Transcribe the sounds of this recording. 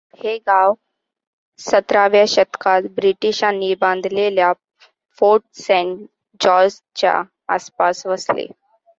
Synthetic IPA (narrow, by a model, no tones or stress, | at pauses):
heɡãw | sət̪ɾaʋjaɕət̪kat̪bɾiʈiɕanibãnd̪ʱlelja | foʈsɛɳ | d͡ʑɔs | t͡ɕja̰ | a̰spasʋəslḛ